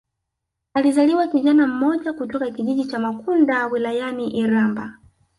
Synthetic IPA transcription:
alizaliwakiʄanam̩mɔʄakutɔkakiʄiʄit͡ʃamakundawilajaniʔiɾamba

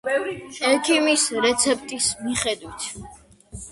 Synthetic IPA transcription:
ɛkʰimisɾɛt̪sʰɛp̚ʰʼt̪ʼismiχɛd̪wit̪ʰ

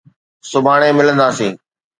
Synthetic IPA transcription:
sʊbʱaːɽ̃ẽmɪlə̃nd̪aːsĩː

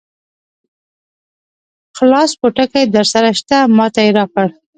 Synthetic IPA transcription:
xlɑspoʈakajd̪əɾsaɾaʃt̪amɑt̪ajeɾɑkəɽ

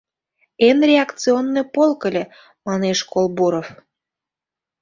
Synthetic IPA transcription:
enrʲeɑkt̪t͡sɨonːepolˠkəlʲĕ | mɑneʃkolˠbuɾof

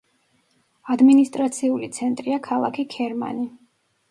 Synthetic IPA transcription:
ad̪minist̪ʼɾat̪sʰiulit̪sʰɛnt̪ʼɾiakʰalˠa̰kʰiɡʰɛɾma̰ni

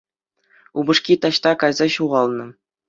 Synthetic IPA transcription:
ubɤ̆ʂkʲit̪ɑɕt̪ɑkɑjzɑɕuʁɑlˠnɤ̆

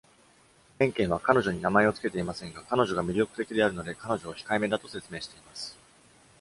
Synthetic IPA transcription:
ẽ̞ŋkẽ̞ɰ̃β̞akano̞ʑoɲ̟inamae̞o̞t͡sɨ̥ket̪e̞imasẽ̞ŋɡakano̞ʑo̞ɡamʲiɾʲo̞kɯ̟̥t̪e̞kʲid̪e̞aɾɯ̟no̞d̪e̞kano̞ʑo̞ːçi̥kaime̞d̪at̪o̞se̞t͡sɨme̞ːɕi̥t̪e̞imasɨ̥

